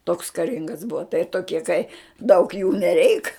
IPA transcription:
toːks kɐˈrʲɪŋɡɐs ˈbʊʋɐ tɐɪ toːˈkʲiɛ kɐɪ dɐʊk juː nʲɛˈrʲɛɪk

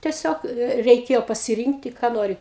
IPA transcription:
tʲiɛˈsʲoːk ɛ rʲɛɪˈkʲeːjoː pɐsʲɪˈrʲiːŋktʲɪ kɑː ˈnoːrʲɪ

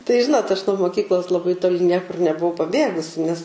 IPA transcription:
tɐɪ ˈʒʲɪnoːt ɐʃ nuɔ moːˈkʲiːklˠoːs lˠɐˈbɐɪ toːˈlʲɪ ˈnʲiɛkʊr nʲɛbʊˈʋɐʊ pɐˈbʲeːɡʊsʲɪ nʲɛs

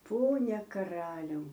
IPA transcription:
ˈpoːnʲɛ kɐˈrɑːlʲɛʊ

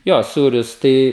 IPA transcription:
ˈjoː ˈsuːrʲʊs ˈtɐɪ

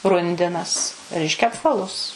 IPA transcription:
ˈrʊnʲdʲɪnɐs ˈrʲɛɪʃʲkʲɛ ɐpˈʋɑːlˠʊs

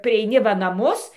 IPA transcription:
pʲrʲiɛɪˈnʲɪ ʋɐ nɐˈmʊs

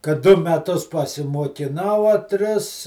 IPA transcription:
kɐt ˈdʊ mʲɛˈtʊs pɐsʲɪmuɔkʲɪˈnɐʊ ɐ ˈtʲrʲɪs

